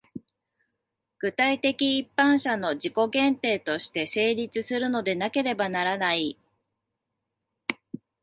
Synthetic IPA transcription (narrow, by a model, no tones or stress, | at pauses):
ɡ̥ɯ̟t̪ait̪e̞kʲiːpːãɰ̃ɕano̞ʑiko̞ɡẽ̞nt̪e̞ːt̪o̞ɕi̥t̪e̞se̞ːɾʲit͡sɨsɨɾɯ̟no̞d̪e̞nake̞ɾe̞banaɾanai